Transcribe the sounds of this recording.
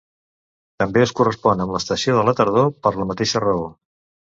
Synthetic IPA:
t̪əmbeəskurəspɔnəmləst̪əsioðələt̪əɾð̞opəɾləmət̪eʃərəo

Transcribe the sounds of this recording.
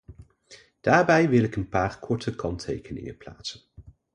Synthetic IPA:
d̥aːɹbɛjʋɪlˠɪkənpaːɹkʰɔɹtəkɑntʰḛjkənɪ̰ŋəpla̰ːtsən

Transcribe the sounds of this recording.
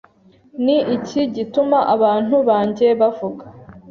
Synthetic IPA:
niʔiciɟitumaʔaβaːn̥huβaːɲɟe̞βavuɡḁ

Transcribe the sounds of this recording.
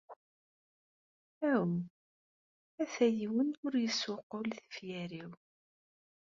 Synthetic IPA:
æəm | æθæjiwənʊɾjəswʊqʊlθə̥fjæɾiw

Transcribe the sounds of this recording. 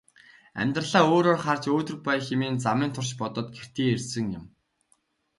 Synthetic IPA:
æ̰mʲt̪rəɮaːoːɾoːrχart͡ɕoːt̪ɵ̆rk̚pæjxemiːnt͡samiːnt̪ʰʊrʃpɔt̪ɞ̆t̪ɡer̥t̪ʰeːersɘ̆ŋjʊ̆m

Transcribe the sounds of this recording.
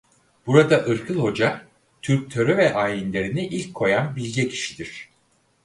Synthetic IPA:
b̥uɾad̪aʔɯɾkʰɯlˠho̞d͡ʒa | t̪ʰyɾp̚t̪ʰø̞ɾøvɛʔaːjinlʲe̞ɾiniʔilʲcʰːo̞janbilʲɟʲɛcʰi̥ʃi̥d̪iɾ̝̥

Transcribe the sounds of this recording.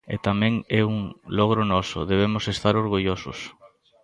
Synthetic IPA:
ḛt̪amɛ̃ŋɛuŋlɔɣ̞ɾʊnɔsʊ̰ðeβ̞emʊsest̪aɾoɾɣuʎosʊ̰s

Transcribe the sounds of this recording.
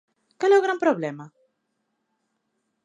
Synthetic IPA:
kaleoɣɾampɾoβlema

